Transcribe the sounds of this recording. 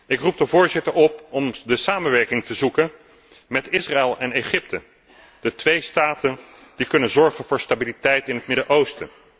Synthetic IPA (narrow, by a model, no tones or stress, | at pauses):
ɪkrup̚dəvʊːɹzɪtəɹɔpɔmdəsaːmənʋɛɹkɪŋtəzukən | mɛtɪsraɛlˠɛneχɪp̚tə | d̥ətʋejstaːtənd̥ikɵnənzɔɹχənvʊːɹstabilitɛjtɪnɦət̚mɪdəʔowstə